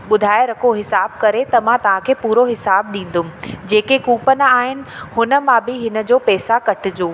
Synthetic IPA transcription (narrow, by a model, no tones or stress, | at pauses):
ɓʊd̪ʱaːeɾɐkʰoɦɪsaːb̚kɐɾet̪ɐmãt̪ɐʋ̤ãkʰeːpuːɾoɦɪsaːbɗĩːn̆d̪ʊmɪ̆d͡ʑeːkekuːpən̆aːɦɪnɪ̆hʊnə̆mãbɪɦɪnə̆d͡ʑoːpɛːsakɐʈʰɪ̆d͡ʑoː